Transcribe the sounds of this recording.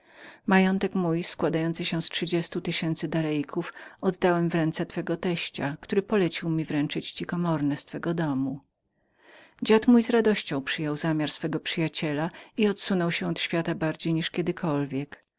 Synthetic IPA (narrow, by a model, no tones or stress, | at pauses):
majɔnt̪ɛkmujskwad̪ajɔnt̪sɘɕɛstʂɘd͡ʑɛst̪ut̪ɘɕɛnt̪sɘd̪aɾɛjkʰufɔd̪ːawɛmvɾɛnt̪sɛt̪fɛɡɔt̪ɛɕt͡ɕakt̪uɾɘpɔlɛt͡ɕiwmʲivɾɛnt͡ʂɘt͡ɕt͡ɕikɔmɔɾnɛst̪fɛɡɔd̪ɔmu | d͡ʑat̪mujzɾad̪ɔɕt͡ɕɔ̃w̃pʂɘjɔwzamʲjaɾsfɛɡɔpʂɘjat͡ɕɛlaiɔt̪sunɔwɕɛ̃ɔt̪ɕfʲjat̪abaɾd͡ʑejɲiʂkʲɛd̪ɘkʰɔlvʲjɛk